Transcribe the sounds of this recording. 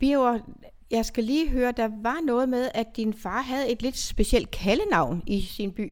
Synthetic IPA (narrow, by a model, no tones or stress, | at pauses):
b̥iɐ | jɑ̈ɪsɡ̥æliːɦøːɐd̥ɑ̈ʋɑ̈nɔ̽ːð̩ˠmeð̞ˠæd̥infɑ̈ːɦæð̞̩ˠe̝d̥le̝d̥sb̥e̝ɕel̰d̥̚kʰælənɑ̈ʊ̰nisinb̥y̰ː